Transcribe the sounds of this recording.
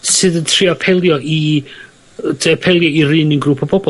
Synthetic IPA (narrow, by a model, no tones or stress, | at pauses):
sɨðəntʰriapʰɛlˠjɔʔi | deapʰɛlˠjɔirɨːninɡɾuːpʰɔbɔbɔ